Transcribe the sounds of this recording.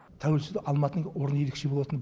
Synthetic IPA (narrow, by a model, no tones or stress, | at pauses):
t̪ʰæwelsd̪ɪʔɑlˠmɑt̪ənəwo̞ɾənje̞ɾekʃe̞bolˠɑt̪ənb